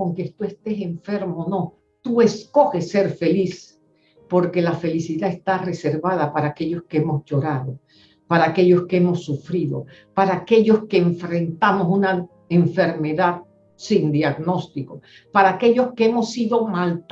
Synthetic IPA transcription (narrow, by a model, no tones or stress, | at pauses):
oŋkest̪ue̞st̪e̞se̞ɱfe̞ɾmono̞ | t̪ue̞sko̞xe̞sːe̞ɾfe̞lis | po̞ɾke̞lafe̞lisiðaðest̪are̞se̞ɾβað̞apaɾaːke̞ʎo̞skeemosʝo̞ɾaðo̞ | paɾaːke̞ʎo̞skeemo̞sːufɾiðo̞̰ | paɾaːke̞ʝo̞skeːɱfɾe̞nt̪amosuna | eɱfe̞ɾme̞ðað | sind̪jaɣno̞st̪iko | paɾaːke̞ʝo̞skeemo̞siðo̞malt̪